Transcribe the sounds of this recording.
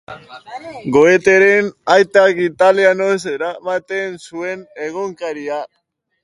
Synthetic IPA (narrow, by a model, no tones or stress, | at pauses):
ɡoet̪eɾenajt̪akit̪alianoseɾamat̪e̞nsue̞ne̞ɣ̞oŋkaɾia